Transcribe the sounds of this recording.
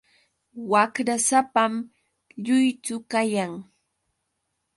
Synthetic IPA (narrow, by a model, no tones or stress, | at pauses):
wakɾasapam | ʎʊjt͡sʊkajaŋ